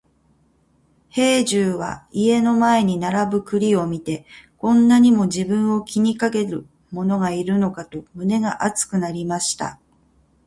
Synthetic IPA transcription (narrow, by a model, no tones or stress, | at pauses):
he̞ːʑɨːβa̰ie̞no̞mae̞ɲ̟inaɾabɯ̟kɯ̟ɾʲio̞mʲit̪e̞kõ̞nːaɲ̟imo̞ʑibɯ̟̃ɰ̃o̞kʲiɲ̟ikake̞ɾɯ̟̰ | mo̞no̞ŋaiɾɯ̟no̞kat̪o̞mɯ̟ne̞ɡaʔat͡sɨ̥kɯ̟naɾʲimaɕi̥t̪a̰